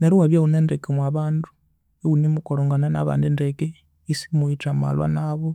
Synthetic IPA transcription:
neɾiwaβjauneːndekemwaβaːndu | eunimukoloŋɡanana̰βa̰ːndindeke | isi̥muit͡ʃama̰lwa̰naβo

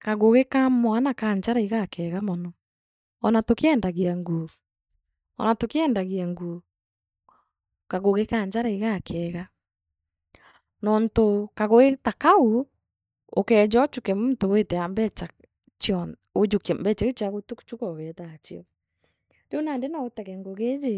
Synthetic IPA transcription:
kaɣoɣekamɔanakaɲd͡ʒaɾaiɣakɛːɣamɔnɔ | ɔnatokeɛːndaɣiaŋɡo | ɔ̰natokeɛːndaɣiaŋɡo | kaɣoɣekaɲd͡ʒaɾaiɣakʰɛːɣa | nɔntokaɣoɣetakau | o̰kɛd͡ʒɔt͡ʃukɛmmtowetɛambɛt͡ʃa | t͡ʃɔod͡ʒokmbɛt͡ʃaot͡ʃiaɣotukt͡ʃukɔɣɛtat͡ʃiɔ | deonandenɔotɛkɛŋɡoɣed͡ʒe

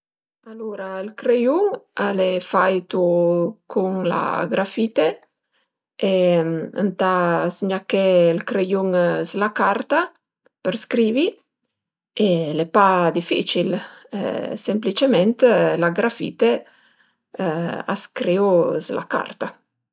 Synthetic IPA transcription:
aluɾailkɾejuŋalɛfajt̪ukʰuŋla̰ɡɾafit̪e | emə̰nt̪asɲakɛlkɾejuŋzlakaɾt̪a | pəɾskɾiːvi | elepad̪ifḭt͡ʃilɛ̰semplit͡ʃemɛnt̪laɡɾafḭt̪e | a̰skɾeuzla̰ka̰rt̪a

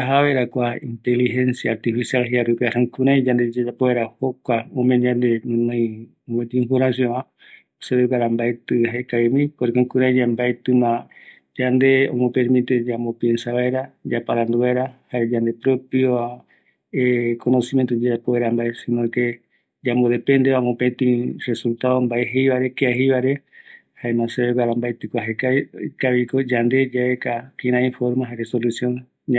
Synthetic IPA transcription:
aɦaβeɾakʷaĩnt̪elihensjaːɾt̪ifisialɦiaɾɨpeasãŋkuɾãj̃d͡ʒand̪ed͡ʒad͡ʒapoeɾahokʷaõmẽɲãnd̪enũnãj̃ | omet̪iimfoɾãsjoã | oseβekaɾambaet̪ɨɦekaemĩpoɾekõŋkuɾãj̃d͡ʒambaet̪ɨmã | d͡ʒand̪eõ̰mõpeɾmĩt̪ed͡ʒamopjensaβaeɾad͡ʒapaɾãnd̪uβaeɾahaɾed͡ʒand̪e̞pɾopio | ekʰonosimjent̪od͡ʒapoeɾambaesinoke | d͡ʒamoðepend̪eamõpet̪ĩresult̪aombaeɦejβaɾekeaɦejβaɾe | haemãseβeɡaɾambajt̪ɨkʷaɦekakaβikod͡ʒand̪e̞d͡ʒaekakĩɾãĩfoɾmãɦaɾesolusjõn | a

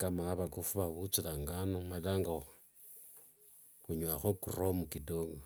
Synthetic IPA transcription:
kamaβakufuβaβut͡silaŋɡanomailaŋɡa | xuɲwaxokṵromukidoɡo

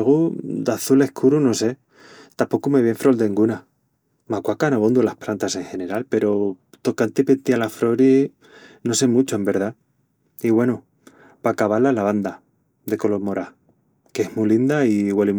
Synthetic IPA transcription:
ɣud̪aθule̞hkʰuɾunose̞ | t̪apo̞kume̞βje̞ɱfɾo̞ld̪eŋɡuna | makwakanaβond̪ulahpɾant̪ase̞ŋxe̞ne̞ɾalpe̞ɾo̞t̪o̞kant̪ipent̪ialafɾo̞ɾi | no̞se̞mut͡ʃoembe̞ɾð̞a | iɣwe̞nu | pakaβalalaβ̞and̪a | d̪e̞ko̞lo̞ɾmo̞ɾa | keehmulind̪aiɣwali

